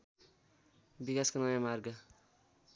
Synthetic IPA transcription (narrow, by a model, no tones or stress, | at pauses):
bikaskonʌjamarɡʌ